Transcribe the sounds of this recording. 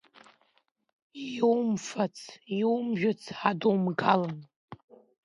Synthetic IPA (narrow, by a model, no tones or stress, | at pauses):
wmfat͡sʰiwmʒᶣʊt͡sʰħadowmɡalan